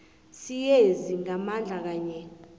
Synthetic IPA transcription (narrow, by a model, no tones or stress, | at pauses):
sijeziŋamand͡ɮʱak̬aːɲɛ